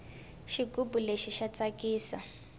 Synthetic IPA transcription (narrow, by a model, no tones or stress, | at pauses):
ʃiɡubuleʃiʃat͡sakiːsa̰